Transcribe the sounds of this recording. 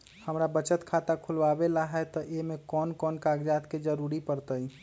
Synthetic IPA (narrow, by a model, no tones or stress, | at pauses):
həmɾabət͡ʃət̪kʰat̪akʰʊlʋabelaɦɛt̪ɔʔemẽkɔːnkɔːnkaɡd͡ʒaːt̪ked͡ʒəɾuɾipəɾt̪əi